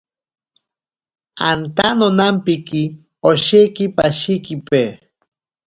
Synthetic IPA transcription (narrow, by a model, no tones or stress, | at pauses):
ant̪anonampiki | oʃekipaʃikipe